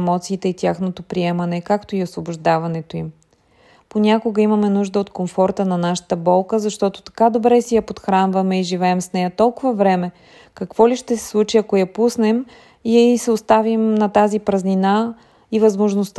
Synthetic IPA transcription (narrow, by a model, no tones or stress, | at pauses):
mɔt̪siːt̪ɛit̪ʲjaxnot̪opɾiɛmɐnɛkakt̪oiosvobʊʒd̪avɐnɛt̪oim | ponʲakoɡəimɐmɛnuʒd̪əot̪komfɔɾt̪ənɐnaʃə̥t̪əbɔlˠkəzɐʃt̪ɔt̪o̥t̪ɐ̥kad̪obɾɛsɛjɐpot̪xɾanvɐmɛiʒivɛːmsnɛjɐt̪ɔlˠkʊvɐvɾɛmɛ | kɐkvɔliʃt̪ɛsɛ̥slˠut͡ʃiɐkojɐpusnɛm | isɛost̪avimnɐt̪azipɾɐznina | ivɐzmoʒnost̪